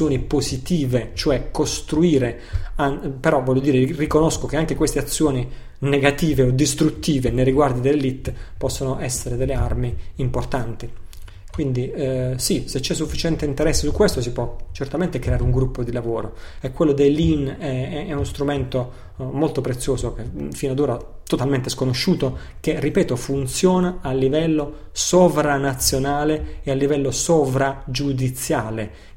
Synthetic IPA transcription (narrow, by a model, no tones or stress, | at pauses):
joːnipozit̪iːvet͡ʃoɛkːost̪ɾuiːɾe | anpeɾɔvːɔlʎːjod̪iːɾerikonoskok̟eaŋk̟ekwest̪eat̪sːjoːni | neɡat̪iːveod̪ːist̪ɾut̪ːiːvenejɾiɡward̪id̪elːelit̪ːpɔsːonoʔɛsːeɾed̪elːearmiimport̪ant̪i | kwind̪isiset͡ʃːɛsːufːit͡ʃɛnt̪eint̪eɾɛsːesukːwest̪os̬ipwɔt͡ʃert̪ament̪ekɾeaːɾeuŋɡɾupːod̪ilavoːɾoɛkːwelːod̪elːinɛɛɛunost̪ɾument̪o | molt̪opɾet̪sːjoːzokefinad̪oːɾa | t̪ot̪alment̪ɪskonoʃːuːt̪o | kerːipɛːt̪ofunt̪sjoːnaːlːivɛlːo | sovɾanat̪sːjonaːleealːivɛlːosovɾad͡ʒud̪it̪sːjaːle